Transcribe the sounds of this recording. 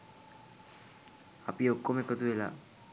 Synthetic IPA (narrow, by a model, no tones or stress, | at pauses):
apiokːomekət̪uʋela̰ː